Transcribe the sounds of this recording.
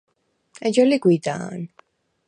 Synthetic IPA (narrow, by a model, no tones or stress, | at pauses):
ɛd͡ʒɛliɡwid̪a̰ːn